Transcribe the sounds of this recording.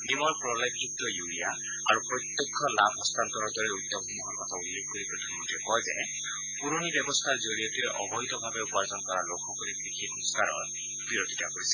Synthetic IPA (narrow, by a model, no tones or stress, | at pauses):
nimɔɹpɹɔlekukt̪ɔjuija | a̰ɾupɾɔt̪jekʰːɔlabʱɔst̪ant̪ɔɾɔd̪ʱɔɾeud̪ɔxumuɦɔɾkɔt̪ʰaulːekʰkoɾipɾɔt̪ʰanmɔntiekɔjze | puɾonibjɔbɔst̪ʰaɹzoɾijɔt̪iɾeʔɔbɔjt̪ɔbʱabeupɔɹzɔnkɔɾalokʰɔkɔlikɾikʰit̪unuskaɾɔ̰ɹ | biɾod̪ʱitakoɾisɛ